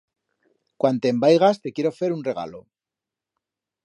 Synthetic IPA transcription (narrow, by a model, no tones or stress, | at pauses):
kwant̪embajɣ̞ast̪e̞kje̞ɾo̞fe̞ɾunre̞ɣ̞a̰lo̞